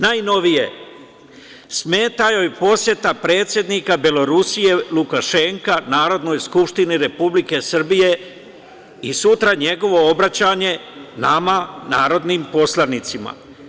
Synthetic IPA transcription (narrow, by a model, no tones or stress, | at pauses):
naːjno̞ʋije̞ | smeːt̪ajo̞jpo̞sje̞t̪apɾe̞ːt̪sje̞d̪nikabelo̞ɾusije̞lukaʃe̞ŋkanaːɾo̞d̪no̞ːjskupʃt̪iniɾe̞publike̞sr̩bije̞ | isut̪ɾaɲe̞ɡo̞ʋo̞obɾat͡ɕaːɲe̞namanaːɾo̞d̪niːmpo̞slˠanit̪sima̰